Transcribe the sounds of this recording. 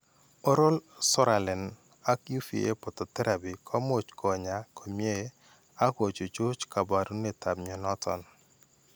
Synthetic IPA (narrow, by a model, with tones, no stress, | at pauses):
o˦ɾo˦lsɔ˦ɾa˨lɛ˨n | a˦kju˦fi˨e˦pɔ˨t̪ɔ˨t̪ɛ˦ɾʔa˨bi˨kʰɔ˦mo˨t͡ʃkʰɔ˨ɲa˨kʰo˨mje˦ | a˦ko˨t͡ʃo˨d͡ʒo˦t͡ʃka˨ba˨ɾu˦ne˨ta˨mɲɔ˨nɔ˦tʰɔ̰˨n